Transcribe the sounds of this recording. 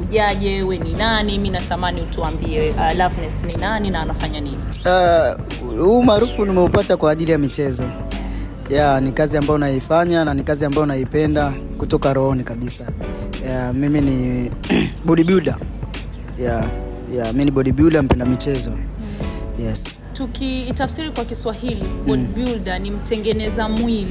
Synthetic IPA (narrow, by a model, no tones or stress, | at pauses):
uʄaʄɛwɛninaniminatamaniutuambiɛalavnɛsninaninaːnafaɲaninia | huːmaːɾufunimɛupatakwaːʄilijamit͡ʃɛzɔ | janikaziambaɔnaifaɲananikaziambajɔnaipɛnda | kutɔkaɾɔɔnikaɓisajamimini | ɓɔɗiɓuɗa | ja | jaminiɓɔɗiɓjuɗam̩pɛndamit͡ʃɛzɔ | jɛs | tukiːtafsiɾikwakiswahiliɓɔiɓulɗanim̩tʰɛŋɡɛnɛzamwili